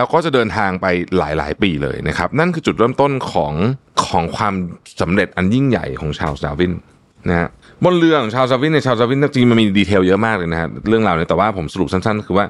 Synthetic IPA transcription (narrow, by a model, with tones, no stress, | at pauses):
llɛː˦˥wkɔː˥˩t͡ɕa˨˩dɤː˧nt̪ʰaː˧ŋpa˧jla̰ː˩˦jla̰ː˩˦jpiː˧lɤ̰ː˧jna˦˥kʰa˦˥p̚na˥˩nkʰɯː˧t͡ɕu˨˩t̪̚ɾɤ˥˩mt̪o˥˩nkʰɔː˩˦ŋkʰɔː˩˦ŋkʰwaː˧msa˩˦mɾe˨˩t̪̚ʔa˧nji˥˩ŋja̰˨˩jkʰɔː˩˦ŋt͡ɕʰa̰ː˧wsaː˧wi˦˥˩n | na˦˥kʰa˦˥ | bo˧nlɯ˧əkʰɔː˩˦ŋt͡ɕʰaː˧ws̬aː˧wi˥˩ni˧˩t͡ɕʰaː˧wsaː˧wi˥˩na˥˩t͡ɕʰiː˧ma˧nmiː˧diː˧t̪ʰeː˧wjɤ˦˥maː˥˩k̚lɤː˧jna˦˥kʰa˦˥ɾɯ˥˩əŋɾaː˧wni˦˥ɐt̪ɛː˨˩waː˥˩pʰo˩˦msa˧ɾu˨˩p̚sa˥˩nsa˥˩nkʰɯː˧waː˥˩